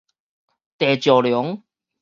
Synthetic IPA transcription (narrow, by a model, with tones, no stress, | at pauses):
t̪ɛː˨˩t͡ɕjɔː˨˩ljʊ˨˦ŋ